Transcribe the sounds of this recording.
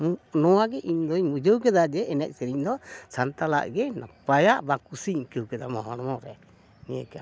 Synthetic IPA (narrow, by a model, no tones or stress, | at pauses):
nɔwaɡɛʔiɲd̪ɔɲmud͡ʒəwkɛd̪ad͡ʒɛʔɛnɛc̚sɛɾiɲd̪ɔsant̪ala̰ʔɡɛnapajaʔbakusiɲkəwkɛd̪amɔɦɔnɔmɔɾɛ | mijəka